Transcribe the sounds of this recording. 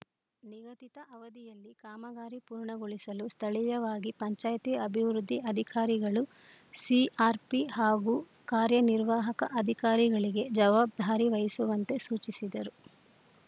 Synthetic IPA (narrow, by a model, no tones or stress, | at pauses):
niɡɐt̪it̪ɐʔɐʋɐd̪ijɐlːikaːmɐɡaːɾipuːɾɳɐɡoɭisɐlust̪ʰɐɭijɐʋaːɡipɐɲt͡ʃaːjt̪iɐbʱiʋɾud̪ʱːiɐd̪ʱikaːɾiɡɐɭu | siʔaːɾpiɦaːɡuː | kaːɾjɐniɾʋaːɦɐkɐ̰ʔɐd̪ʱikaːɾiɡɐɭiɡe̞d͡ʒɐʋaːbd̪ʱaːɾiʋɐjɐsuʋɐnt̪e̞suːt͡ʃisid̪ɐɾu